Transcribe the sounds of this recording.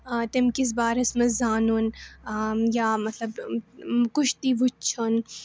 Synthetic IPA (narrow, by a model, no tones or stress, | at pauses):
t̪ɪmkis̬baːɾɐsmɐszaːnun | jaːmɐt̪lɐb | kʊʃt̪iʋʊt͡ʃʰon